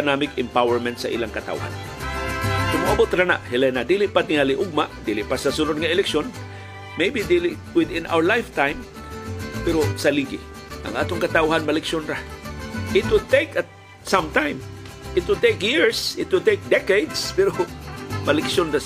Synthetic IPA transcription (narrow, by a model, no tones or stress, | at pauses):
namɪkɪ̃mpawɛɹmɛ̃nt̪sɐʔḭːlaŋkɐt̪a̰wha̰n | sʊmʊʔabot̪ɾana̰ʔhɪlɛnad̪ilɪʔpat̪ɪŋalɪʔʊɡ̚maʔd̪iːlɪʔpasɐsʊnod̪̚ŋɐɪlɛkʃjon | mejbid̪ilɪ | wɪd̪ɪ̃nʔa̰wə˞lajft̪ãjm | pɛɾosɐliɡɪ̰ | ʔɐ̰ŋʔa̰ːt̪oŋkɐt̪awɦanmɐlɛkʃjonɾa | ʔɪt̪̚wɪd̪̚t̪ejkat̪̚ | sãmt̪ãjm | ɪt̪wɪd̪̚t̪ejkjɪɹsɪt̪wɪd̪̚t̪ejk̚d̪ɛkejd̪spɛɾomɐlɛksjonɾa